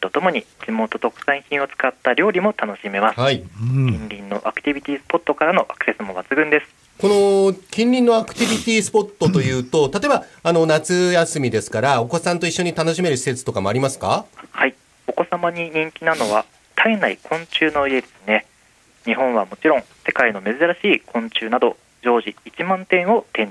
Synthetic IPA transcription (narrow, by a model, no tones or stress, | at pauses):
t̪o̞t̪o̞mo̞ɲ̟id͡ʑimo̞ːt̪o̞t̪o̞kɯ̟̥sãĩçĩɰ̃o̞t͡sɨ̥kat̪ːaɾʲo̞ːɾʲimo̞t̪ano̞ɕime̞masaikʲĩɲɾʲĩnːo̞ʔakɯ̟̥t̪ʲibʲit̪ʲiːsɨ̥po̞t̪ːo̞kaɾano̞ʔakɯ̟se̞sɨmoβat͡sɨɡɯ̟̃nd̪e̞sɨ̥ | ko̞no̞kʲĩɲʲɾʲĩnːo̞akɯ̟̥t̪ʲibʲit̪ʲiːsɨ̥po̞t̪ːo̞t̪o̞jɯ̟ːt̪o̞t̪at̪o̞ebaano̞nat͡sɨjasɨmʲid̪e̞sɨ̥kaɾao̞ko̞sãnt̪o̞iɕːo̞ɲ̟it̪ano̞ɕime̞ɾɯ̟ɕi̥se̞t͡sɨ̥t̪o̞kamo̞aɾʲimasɨ̥ka̰hai | o̞ko̞samaɲ̟iɲ̟ĩŋkʲinano̞βa | t̪ʰainaikʰõ̞ɲ̟t͡ɕɨːno̞ie̞d̪e̞sɨne̞ | ɲ̟iɦõ̞ɰ̃βamo̞t͡ɕiɾõ̞ŋse̞kaino̞me̞zɨɾaɕiːkʰõ̞ɲt͡ɕɨːnad̪o̞ | d͡ʑo̞ːʑiːt͡ɕimãnt̪ẽ̞ɰ̃o̞t̪ẽ̞ɲ